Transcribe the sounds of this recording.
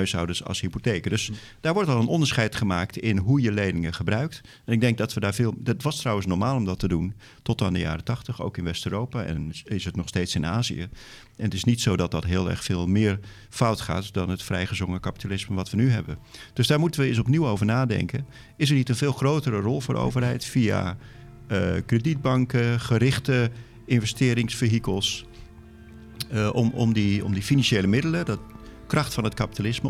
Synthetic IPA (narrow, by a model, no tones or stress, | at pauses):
ɦœɥsɔ̰wdəɹsɑ̰lˠsɦipotejkdɵs | d̥aːɹʋɔɹtɑlˠənʔɔndəɹsχɛjtχəmaːktɪnɦujəlejnɪŋəχəbrœɥkt | ɛnɪɡ̚dɛŋk̚dɑtʋədaːɹvɪːlˠtʋɑstrʌwənsnɔɹmaːlˠɔmdɑtədun | tɔtandəja̰ːɾətɑχtəχo̰wkɪnʋɛstøːɾowpaːɛ̰nɪsətnɔχstejtsɪnaːzḭə̰ | ɛnətɪsnitsowdɑt̚dɑtɦɪːlˠɛ̰ɹχfɪːlˠmɪːɹ | fʌwtχa̰ːtdɑnətfrɛjχəzʋɔŋəkapi̥talɪsməʋɑtʋənyɦɛ̰bənd̥øsdaːɹmutənʋəɪs̬ɔpniwoːvəɹnaːdɛ̰ŋkə | ɪs̬əɹnitənvɪːlˠχrowtəɾərɔlˠvoːɾo̰wvərɦɛjtfija̰ | əkredid̚bɑŋkəχəɾɪχtə | ɪnvəstɪːɾɪŋsfəɦikəlˠs | ɔɔ̰mdiɔ̰mdifinɑnʃejləmɪdələdtkrɑχtfɑnətkapitalɪsmə